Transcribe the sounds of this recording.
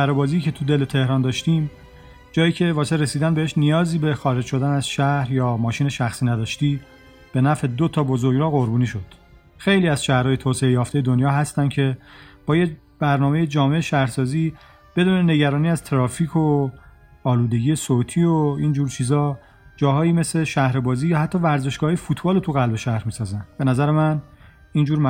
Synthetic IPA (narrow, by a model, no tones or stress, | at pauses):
æɾobɒːziːcʰe̞t̪ʰud̪e̞let̪ʰe̞hɾɒːnd̪ɒːʃt̪iːm | d͡ʒɒːjiːcʰe̞vɒːseɾesiːd̪ænbeheʃnijɒːziːbe̞xɒːɾe̞d͡ʒʃo̞d̪ænæzʃæhɾjɒːmɒːʃiːneʃæxsiːnæd̪ɒːʃt̪iː | b̥e̞næfe̞d̪ot̪ʰɒːbozoɾɡɾɒːɣo̞ɾbuːniːʃo̞d̪̥ | xe̞jliːæzʃæhɾɒːjet̪ʰoːseejɒːft̪e̞je̞d̪onjɒːɦæst̪æncʰe̞b̥ɒːje | b̥æɾnɒːme̞jed͡ʒɒːme̞ʔeʃæhɾsɒːziː | b̥e̞d̪uːnene̞ɟæɾɒːniːæz̥t̪ʰeɾɒːfiːkʰo | ɒːluːd̪e̞ɟijesot̪ʰiːoind͡ʒuːɾt͡ʃʰiːzɒː | d͡ʒɒːɦɒːjiːme̞seʃæhɾebɒːziːjɒːhæt̪ʰːɒːvæɾze̞ʃɡɒːhɒːjefuːt̪ʰbɒːlot̪ʰuɣælbe̞ʃæhɾmiːsɒːzænb̥e̞næzæɾemæn | iːnd͡ʒuːɾmæ